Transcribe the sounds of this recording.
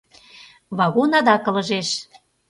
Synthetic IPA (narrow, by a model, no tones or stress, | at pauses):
βɑɣonɑd̪ɑkɤ̆lə̆ʒeʃ